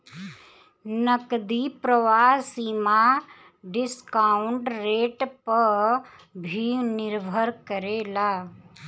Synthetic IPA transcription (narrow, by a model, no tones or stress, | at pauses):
nəkd̪ipɾəʋaːsiːma | ɖɪskaʊɳɖɾeːʈpə | bʱinɪɾbʱəɾkəɾeːlaː